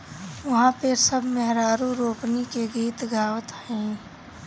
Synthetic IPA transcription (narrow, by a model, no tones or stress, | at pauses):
ʋɐɦãpʰeɾsəbʱmeɦɾaːɾuɾoːpnikeɡiːt̪ɡʱaːwət̪ɦɛ̃ː